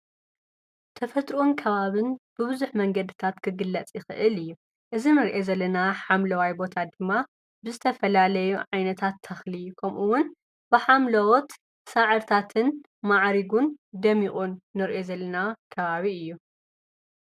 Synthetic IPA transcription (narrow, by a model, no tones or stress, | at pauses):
t̪ʰɐfɐt̪ʼɾuʔunkʰɐβaβɨnb̥ɨβɨzuħmɐŋɡɐd̪ɨt̪ʰat̪kʰɨɡɨlːɐt͡sʼjɪxɨ̰ʔɨlɨjːu | ʔɨzinɨɾʔezɐlːɐnaħamlɐwajbo̞t̪ʰad̪ɨmːa | bɨzɨt̪ʰɐfɐlalɐjuʕajnɐt̪ʰat̪ʰːɐxlikʰɐmʔuwʊn | b̥ɨħamlɐwot̪ | saʕɨɾt̪ʰat̪ʰɨn | maʕɾiɡund̪ɐmiχʼunːɨɾʔe̞zɐlːɐnakʰɐβaβiɨjːu